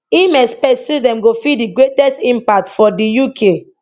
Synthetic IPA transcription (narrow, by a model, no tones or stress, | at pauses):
imɛspɛsidɛ̃mɡofidiɡɹetɛstĩmpak̚tfɔdijukʰe